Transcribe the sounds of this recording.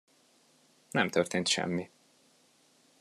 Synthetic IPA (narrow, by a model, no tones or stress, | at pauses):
nɛmt̪ørt̪eːnt̪ʃɛ̰mːi